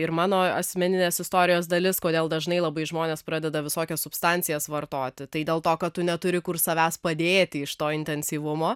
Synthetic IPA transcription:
ɪɾmɑːnoːɐsʲmʲɛnʲɪnʲeːsɪst̪oːɾʲɪjoːsd̪ɐlʲɪskoːd̪ʲeːlˠd̪ɐʒnɐɪlˠɐbɐɪʒmoːnʲeːspɾɑːd̪ʲɛd̪ɐʋʲɪsoːkʲɛssʊpst̪ɑnʲtt͡sʲɪjɛsʋɐrt̪oːt̪ʲɪt̪ɐɪd̪ʲeːlˠt̪oːkɐtt̪ːʊnʲɛt̪ʊɾʲɪkʊrsɐʋʲæːspɐd̪ʲeːt̪ʲɪɪʃt̪oːɪnʲt̪ʲɛnʲsʲiːʋʊmoː

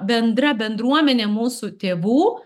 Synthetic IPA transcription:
bʲɛnd̪ɾɐbʲɛnd̪ɾuɔmʲɛnʲemuːsʊt̪ʲeːʋuː

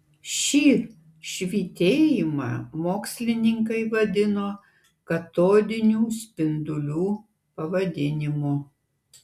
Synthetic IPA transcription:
ʃʲiː | ʃʲʋʲiːt̪ʲeːjɪmɑ̰ːmoːksʲlʲɪnʲɪŋkɐɪʋɐd̪ʲɪnoː | kɐt̪oːd̪ʲɪnʲuːsʲpʲɪnd̪ʊlʲuː | pɐʋɐd̪ʲɪnʲɪmuː

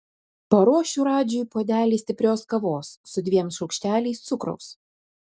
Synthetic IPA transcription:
pɐɾoːʃʲuːɾɑːd͡ʒʲʊːjpoːd̪ʲæːlʲiːsʲt̪ʲɪpʲɾʲoːskɐʋoːsːʊd̪ʲʋʲiɛmsʃɒʊkʃʲt̪ʲæːlʲɛɪst̪sʊkɾɔ̰ʊs

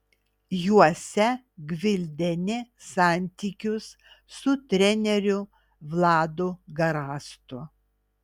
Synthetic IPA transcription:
juɔsʲɛ | ɡʋʲɪlʲd̪ʲɛnʲɪsɑːnʲt̪ʲiːkʲʊsː | ʊt̪ʲɾʲɛnʲɛɾʲʊ | ʋlˠɑːd̪ʊɡɐɾɑːst̪ʊ

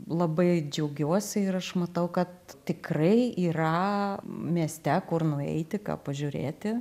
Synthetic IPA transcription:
lˠɐbɐɪd͡ʒʲɛʊɡʲuɔsʲɪɪɾɐʃmɐt̪ɐʊkɐt̪t̪ʲɪkrɐɪiːɾɐ | mʲiɛsʲt̪ʲɛkʊrnʊɛ̰ɪt̪ʲɪkɑ̰ːpɐʒʲʊɾʲḛːt̪ʲɪ

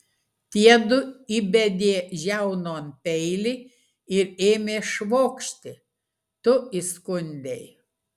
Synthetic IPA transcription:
t̪ʲiɛd̪ʊibʲɛd̪ʲeːʒʲæʊnoːnpʲɛɪlʲɪ | ɪɾeːmʲeːʃʋoːkʃʲt̪ʲɪ | t̪ʊiskʊnʲd̪ʲɛɪ

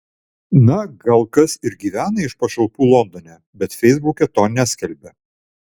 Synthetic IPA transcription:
nɐɡɐlˠkɐsɪɾɡʲiːʋʲæːnɐɪʃpɐʃɐlˠpuːlˠɔnd̪ɔnʲɛː | bʲɛt̪fʲɛɪzbʊkʲɛt̪oːnʲæsʲkʲɛlʲbʲɛ

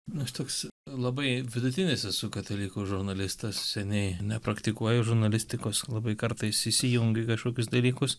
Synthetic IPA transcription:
nʊɐʃt̪oːkslˠɐbɐɪʋʲɪd̪ʊt̪ʲɪnʲɪsʲɪsʊkɐt̪ɐlʲiːkʊʒʊɾnɐlʲɪst̪ɐssʲɛnʲɛɪnʲɛpɾɐkt̪ʲɪkuɔjoʒʊɾnɐlʲɪsʲt̪ʲɪkoːslˠɐbɐɪkɐɾt̪ɐɪsɪsʲijʊŋʲɡʲɪkɐʃkoːkʲʊsd̪ɐlʲiːkʊs

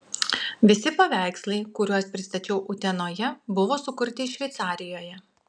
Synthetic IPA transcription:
ʋʲɪsʲɪpɐʋʲæˑɪkslˠɐɪkʊɾʲuɔspʲɾʲɪst̪ɐt͡ʃʲɛʊʔʊt̪ʲɛnoːjɛbʊʋoːsʊkʊɾʲt̪ʲɪʃʲʋʲɛɪt̪sɑːɾʲɪjoːjɛ

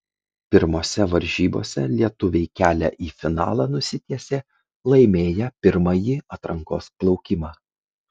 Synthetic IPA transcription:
pʲɪɾmoːsʲɛʋɐɾʲʒʲiːbo̰ːsʲɛlʲiɛt̪ʊʋʲɛɪkʲæːlʲɛ̰ʔiːfʲɪnɑ̰ːlˠɑnʊsʲɪt̪ʲiɛsʲeː | lˠɐɪmʲeːjɛpʲɪɾmɐjiɐt̪ɾɐŋkoːsplˠɒʊkʲɪmɑː

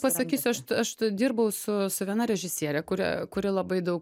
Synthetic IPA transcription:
pɐsɐkʲiːsʲʊɐʃtɐʃd̪ʲiːrbɐʊsʊsʊʋʲiɛnɐɾʲɛʒʲɪsʲiɛɾʲɛkʊɾʲɛ̰kʊɾʲɪlˠɐbɐɪd̪ɐʊk

